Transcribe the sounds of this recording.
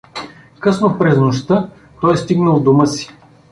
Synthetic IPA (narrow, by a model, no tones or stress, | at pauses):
kɤsnopɾɛznoʃt̪ə | t̪ɔjst̪iɡnəlˠd̪uməsi̥